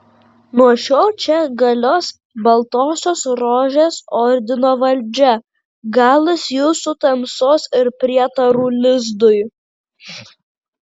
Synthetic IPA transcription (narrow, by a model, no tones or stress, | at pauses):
nuɔʃʲoːlˠt͡ʃʲɛɡɐlʲoːs | bɐlˠt̪oːsʲoːsɾoːʒʲeːsɔɾʲd̪ʲɪnoːʋɐlʲd͡ʒʲɛ | ɡɑːlˠɐsjuːsʊt̪ɐmsoːsɪɾpʲɾʲiɛt̪ɐɾuːlʲɪzd̪ʊj